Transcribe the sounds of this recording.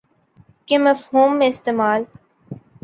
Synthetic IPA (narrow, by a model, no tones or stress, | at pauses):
kemɐfhuːmːẽɪst̪eːmaːl